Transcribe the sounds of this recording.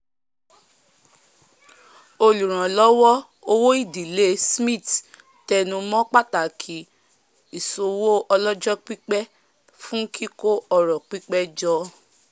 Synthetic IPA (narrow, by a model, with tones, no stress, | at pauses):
o˧lu˨ɾ̃ã˨lɔ˦wɔ˦ | o˧wo˦i˦˨di˨le˦smĩ˦˨t | tɛ˧nũ˧mɔ̃˦k͡pa˦ta˨kʰi˨˦ | i˨so˧wo˦ʔɔ˧lɔ˦d͡ʒɔ˦k͡pi˦k͡pɛ˦ | fũ˦kʰi˦ko˦ɔ˧ɾɔ˨k͡pi˦k͡pɛ˦d͡ʒɔ˧˦